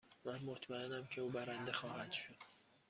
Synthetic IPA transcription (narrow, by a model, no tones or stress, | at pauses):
mænmot̪ʰmæenæmcʰe̞uːbæɾænd̪exɒːhæd̪̥ʃod̪̥